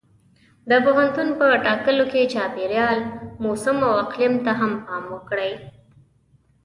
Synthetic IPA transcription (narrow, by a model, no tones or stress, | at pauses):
d̪əpoɦant̪unpəʈɑkəloket͡ʃɑpeɾjɑlmosəmawaqlɪmt̪aɦampɑmokɽəj